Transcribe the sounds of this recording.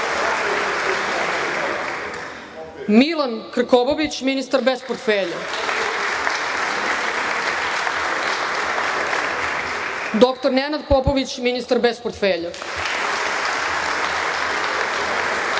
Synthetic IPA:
milankr̩koboʋit͡ɕminist̪aɾbespoɾt̪feʎa | d̪okt̪oɾnenad̪popoʋit͡ɕminist̪aɾbespoɾt̪feʎa

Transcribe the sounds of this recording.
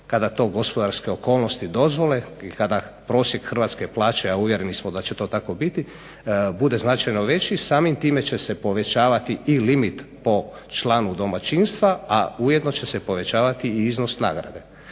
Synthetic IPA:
kad̪at̪o̞ːɡo̞spo̞d̪aɾske̞o̞koːlˠno̞st̪id̪o̞zʋo̞le̞ikad̪a | pɾo̞ːsjekxr̩ʋaːt̪ske̞plˠaːt͡ʃeauʋjeɾenismod̪at͡ɕet̪o̞ːt̪ako̞bit̪i | bud̪e̞znat͡ʃajno̞ʋe̞t͡ɕisaːmimt̪iːme̞t͡ɕe̞se̞po̞ʋe̞t͡ʃaːʋat̪iilimit̪po̞ | t͡ʃlˠaːnud̪o̞mat͡ʃinst̪ʋaauje̞d̪no̞t͡ɕe̞sepo̞ʋe̞t͡ɕaːʋat̪iːiznosna̰ːɡɾa̰d̪e̞

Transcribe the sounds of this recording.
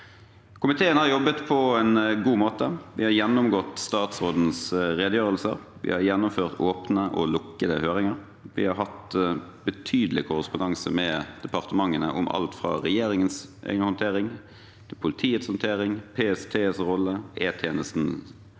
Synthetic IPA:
kʰʊmɪt̪ʰeːənhɑɾjɔbːət̪pʰɔɛnɡuːmoːt̪əʋɪhɑɾjɛnːʊmɡɔt̪ːst̪ɑːt̪sʁoːd̪n̩sɾeːd̪əjøːʁəlsə̰ɾ | ʋɪ̰hɑɾjɛnːʊmføːʁt̪oːpnəʔɔlʊkːəd̪ə̰høːʁɪŋəɾ | ʋɪ̰hɑɾɦɑt̪bət̪ʰyːd̪əlɪkʰʊɾəspʊnd̪ɑŋsə̰mɛd̪̥ɛpɑʁt̪əmɑŋːənəʔʊmʔɑ̰lt̪fɾɑ̰ːʁɛjeːɾɪŋənsʔḛːɡənəhɔnt̪ʰeːʁɪŋ | pʰʊlɪt̪ʰiːət̪shɔnt̪ʰeːɾɪŋpʰeːɛst̪ʰeːsʁɔlːəeːt̪ʰjeːnəst̪n̩

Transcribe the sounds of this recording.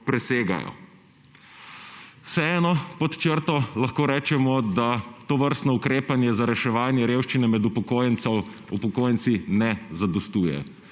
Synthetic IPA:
pɾɛseːɡa̰jɔ̰ | sɛɛːnɔpɔt̪t͡ʃəɾt̪ɔlaxkoːɾɛːt͡ʃɛmɔd̪at̪oʋəɾst̪nɔukɾeːpanjɛzaɾɛʃɛʋaːnjɛɾeːwʃt͡ʃinɛmɛd̪upɔkojnɔ | upɔkoːjɛnsinɛzad̪ɔst̪uːjɛ̰

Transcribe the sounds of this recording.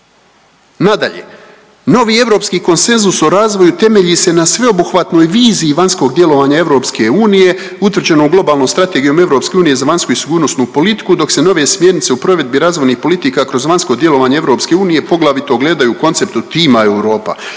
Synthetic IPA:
nad̪a̰ʎe̞̰ | no̞ʋiːe̞ʋɾo̞pskiːko̞nse̞nzuso̞ɾaːzʋo̞jut̪e̞me̞ʎise̞nasʋe̞o̞buxʋat̪no̞ːjʋiːziːʋanʲsko̞ɡd̪je̞lo̞ʋaːɲae̞ʋɾo̞ːpske̞uːnije̞ | ut̪ʋr̩d͡ʑe̞nouɡlˠo̞baːlˠnomst̪ɾat̪eɡijo̞me̞ʋɾo̞pskʲe̞uːnije̞zaʋaɲskuisiɡuːɾno̞snupo̞lit̪i̥kud̪o̞kse̞no̞ʋe̞smje̞ɾnit̪se̞upɾo̞ʋe̞d̪̚biɾaːzʋo̞jnixpo̞lit̪ikakɾo̞zʋanʲsko̞d̪je̞lˠo̞ʋaːɲee̞ʋɾo̞ːpske̞uːnije̞po̞ɡlˠaʋit̪oɡle̞ːd̪ajuːko̞nt̪se̞p̚t̪ut̪iːmae̞wɾo̞ːpa̰

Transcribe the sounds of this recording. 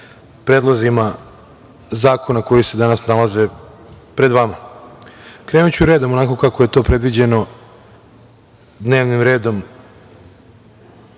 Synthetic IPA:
pɾeːd̪lˠazima | zaːko̞nako̞jise̞d̪anasnalaze̞ | pɾe̞d̪ʋama | kɾeːnut͡ɕuɾeːd̪omonako̞kako̞je̞t̪o̞ːpɾe̞d̪ʋid͡ʑe̞no̞ | d̪neːʋnimɾe̞ːd̪o̞m

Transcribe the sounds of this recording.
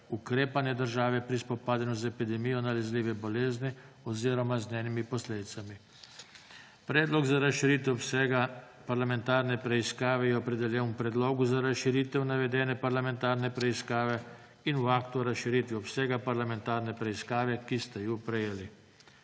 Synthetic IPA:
ukɾeːpanjɛd̪əɾʒaːʋɛpɾispɔpaːd̪anɔzɛpid̪ɛmijɔnalɛzliːʋɛbɔleːzni | ɔziːɾɔmaznɛːnimipɔsleːd̪it̪sami | pɾɛːd̪lɔɡzaɾasʃiɾiːt̪ɛsɛɡa | paɾlamɛnt̪aːɾnɛpɾɛiskaːʋɛjɛɔpɾɛd̪ɛljɛnwpɾɛd̪loːɡuzaɾasʃiɾiːt̪ɛwnaʋɛd̪ɛːnɛpaɾlamɛ̃nt̪aːɾnɛpɾɛiskaːʋɛ | inuaːkt̪uɾasʃiɾiːt̪ʋiɔpsɛɡapaɾlamɛnt̪aːɾnɛpɾɛiskaːʋɛkist̪ajupɾɛjeːli

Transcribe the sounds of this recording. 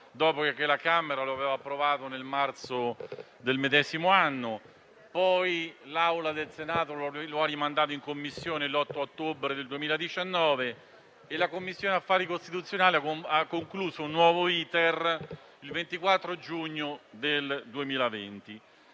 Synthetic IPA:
d̪ɔːpokekːwelːakameɾaloaveːvaːpːɾovaːt̪onelmart̪so | d̪elmed̪ɛːzimoanːo | pɔjlawlad̪elsenaːt̪olaloarːimand̪aːt̪oiŋkomːisːjoːnelɔt̪ːoot̪ːobɾed̪eld̪uemiːlad̪it͡ʃanːɔːve | elakomːisːjoːneafːaːɾikost̪it̪ut̪sːjonaːliaakːoŋkluːzounːwɔːvoiːt̪er | ilvent̪ikwat̪ːɾod͡ʒuɲːod̪eld̪uemiːlavent̪i

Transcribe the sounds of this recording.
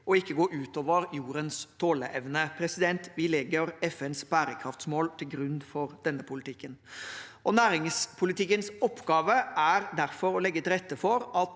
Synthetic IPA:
ʔɔɪkːəɡoːʔʉːt̪oːʋəɾjuːɾənst̪ʰoːləʔɛʋnəpʰɾɛsɪd̪ɛnt̪ʋɪlɛɡəɾɛfɛnsbæːɾəkʰɾɑft̪smoːlt̪ʰɪlɡɾʉnːfɔɾd̪̥ɛnːəpʰʊlɪt̪ʰɪkːənʔɔnæːɾɪŋspʰʊlɪt̪ɪkːənsɔpːɡɑːʋəʔæɾd̪æɾfɔɾɔlɛɡːət̪ɪɾɛt̪ːəfɔɾɑt̪

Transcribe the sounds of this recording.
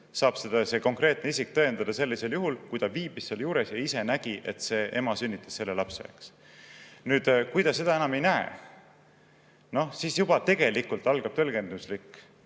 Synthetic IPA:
sɑːb̥sed̪̥ɑse̞ko̞ŋkre̞ːt̪neisʲik̚t̪ɤ̞end̪̥ɑd̪̥ɑse̞lːise̞ljuɦulkujd̪ɑviːb̥isːeljuːɾe̞sjɑise̞næɡ̥iʔe̞t̪se̞ʔe̞̰mɑsynʲːit̪ːˑɑ̥sse̞lːelɑpsḛḛks | nyːd̪̥kujd̪ɑsse̞d̪̥ɑe̞nɑme̞jnæḛ | no̞hsiːsjubɑt̪e̞ɡ̥e̞likult̪ˑɑlɡ̥ɑb̥̚t̪ølɡe̞nd̪uslikːˑ

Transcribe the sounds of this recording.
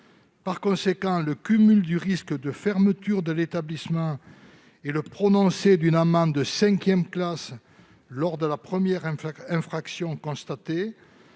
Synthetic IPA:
paʁkɔ̃sekɑ̃ləkymyld̪yʁiskd̪əfɛʁmət̪yʁd̪əlet̪ablismɑ̃ | eləpχɔnɔ̃sed̪ynamɑ̃d̪əsɛ̃kʲjɛmklas | lɔʁd̪əlapχəmjɛʁ̃ɛ̃fχaksjɔ̃kɔ̃st̪at̪e

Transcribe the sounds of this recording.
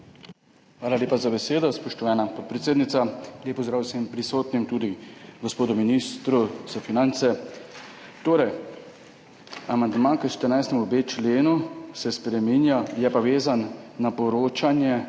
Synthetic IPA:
xʋaːlaleːpazabɛseːd̪ɔspɔʃt̪ɔʋaːnapɔt̪̚pɾɛt̪seːd̪nit̪salʲeːpɔzd̪ɾaːwsɛmpɾisoːt̪nimt̪uːd̪iɡɔspoːd̪ɔminist̪ɾuz̥afinant̪sɛ | t̪oːɾɛj | amand̪maːkəʃt̪əɾnajst̪ɛmubeːt͡ʃleːnusɛspɾɛminjajɛpaʋeːzanːapɔɾoːt͡ʃanjɛ

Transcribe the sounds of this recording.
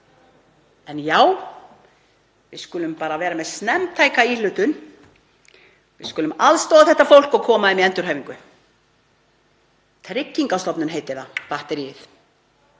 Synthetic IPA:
ɛnjaːw | vɪðskʏlʏmpaːɾavɛːɾamɛðsnɛmt̪ʰaːjkailʏːt̪ʏn | vɪ̰skʏlʏmalst̪ɔːðaθɛht̪ːafowl̥kɔɣkʰɔːmaðɛmiɛnt̪ʏɾhœːviŋkʏ | t̪ʰɾɪcːiŋkast̪ɔpnʏnɦejt̪ɪθapaht̪ɛɾiɪθ

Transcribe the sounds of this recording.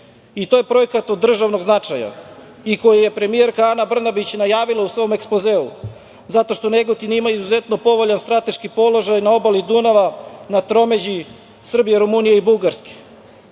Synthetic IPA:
it̪oje̞pɾo̞jekat̪od̪ːr̩ʒaʋno̞ɡznat͡ʂaja̰ | iko̞jeje̞pɾe̞mije̞ɾkaanabr̩nabit͡ɕnajaːʋilˠausʋo̞ome̞kspozeːṵ | zat̪o̞ʃt̪o̞neɡot̪inimaizuze̞t̪no̞po̞ʋo̞ʎanst̪ɾat̪e̞ʃkipo̞lo̞ʒajnao̞balid̪unaʋanat̪ɾo̞me̞d͡ʑi | sr̩bijeɾumunijeibuɡaɾske̥

